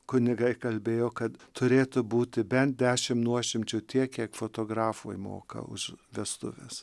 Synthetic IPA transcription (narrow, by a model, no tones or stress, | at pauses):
kʊnʲɪɡɐɪkɐlʲbʲeːjoːkɐt̪t̪ʊɾʲeːt̪ʊbuːt̪ʲɪbʲɛnt̪̚d̪ʲæːʃʲɪmnuɔʃʲɪmʲt͡ʃʲʊt̪ʲiɛkkʲiɛkfot̪oːɡɾɑːfuːjmo̰ːkɐ̰ʊ̰ʃʋʲiɛst̪ʊ̰ʋʲḛs